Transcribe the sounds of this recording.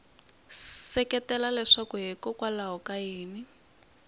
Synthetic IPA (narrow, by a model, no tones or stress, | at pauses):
sɛkɛtɛlalɛʂakuɦɛkɔkwalaɦɔkajeːni